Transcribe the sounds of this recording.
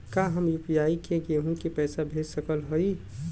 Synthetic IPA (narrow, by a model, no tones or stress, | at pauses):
kaːɦəmjuːpijaːikẽɡeɦũkipɛːsabʱeːd͡ʒsəkəlɦoi